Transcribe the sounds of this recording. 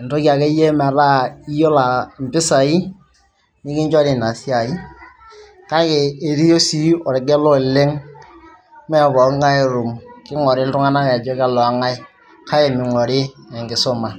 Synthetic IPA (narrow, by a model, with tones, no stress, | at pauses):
ɛ˨ntɔ˦ki˨a˨kɛ˦jɛ˦ma˨ɾa˦i˦jo˦la˨m̩˨pɪ˦sa˨i˦ | nɪ˦kɪ˦ɲd͡ʒɔ˦ɾɪ˨na˨si˦a˨i˦ | ka˦keː˨ɾi˦jo˦si˦ɔ˨ɾɛ˨ɡɛ˦lɔ˦˨le˦ŋ | mɛ˦˨kɔ˨˦ŋa˦i˦ɾu˨mkɪ˦ŋɔ˨ɾɪ˦ltʊ˦ŋa˦na˦kːd͡ʒɔ˦ka˦˨lɔ˨a˦ŋa˦ɪ˦ | ka˦ɛ˨mɪ˨ŋɔ˨ɾɪ˦ɛ˨ŋɡɪ˨sʊ˦ma˨